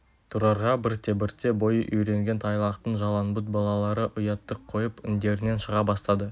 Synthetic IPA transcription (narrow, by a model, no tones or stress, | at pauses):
t̪ʰuɾɑɾʁɑbɪɾt̪e̞bɪɾt̪ʰe̞bo̞jəʔʏjɾe̞ŋɡʲe̞nt̪ʰɑjlˠɑqt̪əɴʒɑlˠɑnbʊt̪̚bɑlˠɑlˠɑɾəʔʊjɑt̪ːəqʰːo̞jəpɪnd̪e̞ɾɪne̞nʃəʁɑbɑst̪ɑd̪ə